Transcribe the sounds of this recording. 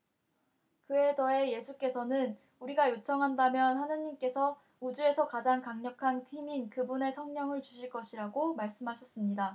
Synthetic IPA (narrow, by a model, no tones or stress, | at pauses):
kɯe̞dʌe̞je̞sʰuk͈e̞sʰʌnɯn | uɾiɡajot͡ɕʰʌŋɦandamjʌnhanɯɲimk͈e̞sʰʌ | ud͡ʑue̞sʰʌkad͡ʑaŋkaŋɲʌkʰantʰiminkɯbune̞sʰʌŋɲʌŋɯɭt͡ɕuɕʰiɭk͈ʌɕʰiɾaɡomaɭs͈ɯmɦaɕʰʌs͈ɯmɲida